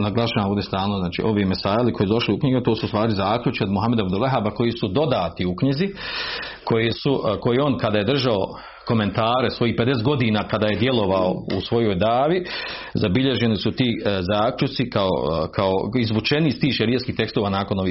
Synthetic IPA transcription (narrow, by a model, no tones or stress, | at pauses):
naɡlˠaʃaːoːʋd̪jest̪aːlnoznaːt͡ʃḭːʔo̞ʋimesaːjliko̞jisud̪o̞ʃliukɲiɡut̪o̞ːsuust̪ʋaːɾizaːkʎʲut͡ʃiod̪muɦame̞d̪aabd̪uleɦabako̞jiːsud̪o̞d̪aːt̪iukɲizi | kʰo̞jeːsuko̞jio̞ːnkad̪aːje̞d̪r̩ʒao | ko̞me̞nt̪aːɾesʋo̞jiːhped̪eset̪̚ɡod̪iːnaːkad̪aːje̞d̪je̞lo̞ʋaoṵsʋo̞jo̞ːjd̪aːʋizabiʎe̞ʒe̞nisut̪iːzaːklʎut̪sikao̰kʰao̞izʋut͡ʃe̞nist̪iːʃeɾijeskiːht̪e̞kst̪oʋaːnaːko̞no̞ʋiː